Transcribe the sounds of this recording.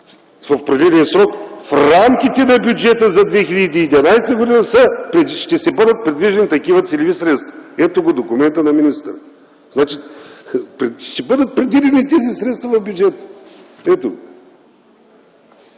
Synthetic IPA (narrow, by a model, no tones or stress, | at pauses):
vɐfpɾɛd̪ilɛnsɾɔkfɾamkʲit̪ɛnɐbʲjʊd͡ʒɛt̪əzɐd̪vɛxilʲɐd̪iːd̪ʲvʲɐnajst̪əɡod̪inɐsəpɾɛʃt̪ɛsɛbɤd̪ət̪̚pɾɛd̪viʒɛnit̪ɐkivɐt̪sɛlʲivisɾɛt̪st̪vɐɛt̪oɡod̪okʊmɛnt̪ənɐminist̪əɾ | znat͡ʃi | pɾʃt̪ɛbɤd̪ət̪̚pɾɛd̪vid̪ɛnit̪ɛzisɾɛt̪st̪vɐvɐvbʲjud͡ʒɛt̪ə̥ | ɛt̪o